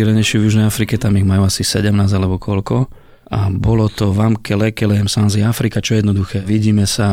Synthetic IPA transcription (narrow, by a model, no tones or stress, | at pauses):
iɾɛɲɛjʃɛvjuʒnɛjafɾikɛt̪amiɣmajuːasisɛɟɛmnaːzalɛbɔkʰɔlkɔ | ʔabɔlɔt̪ɔʋamkɛlɛkɛlɛɛmsanziafɾikat͡ʃɔjɛd̪nɔd̪uxɛːʋiɟiːmɛsa